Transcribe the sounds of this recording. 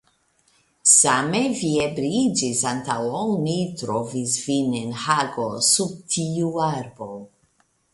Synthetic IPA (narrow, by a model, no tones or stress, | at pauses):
sameviebɾid͡ʒisantawonitɾovisvinenhaɡosub̚tʰiuaɾbo